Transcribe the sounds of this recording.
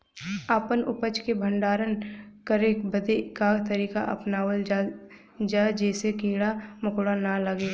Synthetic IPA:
aːpənʊpət͡ʃkebʱə̃ɳɖaːɾənkəɾeːkbəd̪ekat̪ɐɾiːkaʔɐpnaːwəl | d͡ʒaːd͡ʒɛːsekĩːɽamʊkːɽanaləɡeː

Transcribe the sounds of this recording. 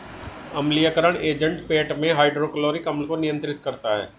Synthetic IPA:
ɐmlijəkəɾəɽ̃eːd͡ʒə̃ɳʈpeːʈmẽɦaːɪɖɾoːkloːɾikɐmlkonɪjə̃nt̪ɾɪt̪̚kɐɾt̪aɦɛ̰ː

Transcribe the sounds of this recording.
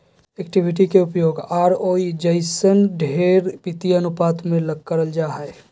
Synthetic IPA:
ekʈiʋɪʈ̬ikeʊpjoːɡaːɾoːid͡ʒəɪsənɖʱeːɾpɪt̪iɐnʊpaːt̪mẽləɡ̚kəɾəld͡ʒaːɦəe

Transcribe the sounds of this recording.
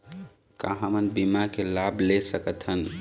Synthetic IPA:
kaɦə̃mənbimakelablesəkət̪ʰɦən

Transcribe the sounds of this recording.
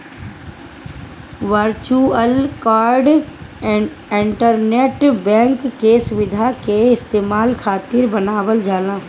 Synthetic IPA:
ʋəɾt͡ʃuəlkaːɾɖ | ɪɳʈəɾneːʈbɛ̃ːŋkːesʊʋɪd̪ʱakeɪst̪eːmaːlkʰaːt̪ɪɾbənaːwəld͡ʒaːlãː

